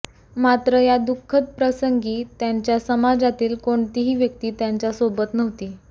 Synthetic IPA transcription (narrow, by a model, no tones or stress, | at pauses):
mat̪ɾəjad̪ukʰːət̪̚pɾəsəŋɡiːt̪jaɲt͡ɕjasəmad͡zat̪iːlkoɳt̪iɦiːʋjək̚t̪iːt̪jaɲt͡ɕjasobət̪nəʋt̪iː